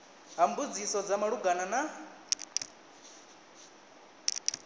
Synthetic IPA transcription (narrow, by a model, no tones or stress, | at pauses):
ɦambud͡zisɔd͡zamaɺuɡanana